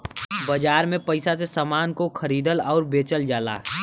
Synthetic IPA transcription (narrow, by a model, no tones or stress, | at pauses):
bəd͡ʒaːɾmẽpəɪsasesaːmaːnkokʰəɾiːd̪əlɔːɾbeːt͡ʃəld͡ʒaːla̰ː